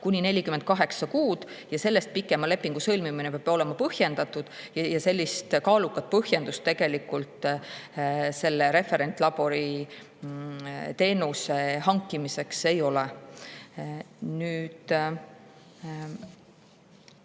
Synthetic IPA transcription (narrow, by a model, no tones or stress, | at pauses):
kunʲine̞lʲːikymːend̪̥̚kɑɦe̞ksɑkuːd̪̥ | jɑse̞lːest̪̚pikːˑe̞mɑle̞pːiŋɡ̥usɤlmiminepeɑbo̞le̞mɑpɤhje̞nd̪̥ɑt̪ud̪̥jjɑse̞lʲːist̪kɑːlukːˑɑt̪̚pɤhje̞nd̪ust̪ːe̞ɡ̥e̞likult̪ˑ | se̞lːe̞ɾe̞fe̞ɾe̞nt̪ːˑlɑb̥o̞ɾi | t̪e̞ːnuse̞ɦɑŋkˑːimise̞kse̞jo̞le | nyːd̪̥